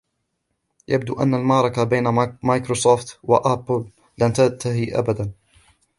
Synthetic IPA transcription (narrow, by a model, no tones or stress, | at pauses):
jab̚d̪ṵːʔa̰nːalmɑʕɾˤɑkabaːnamajkɾosoːft̪wa̰ʔaplː | ant̪at̪aɦiʔa̰bad̪an